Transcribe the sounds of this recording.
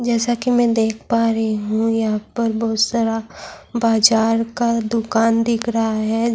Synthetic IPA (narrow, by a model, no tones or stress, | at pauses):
d͡ʒɛːsakimɛ̃d̪eːkʰpaːɾɐɦiɦũjɐɦãpɐɾbɔɦʊt̪saːɾabaːd͡ʒaːɾkad̪ʊkaːnd̪ɪkʰɾɐɦaɦɛː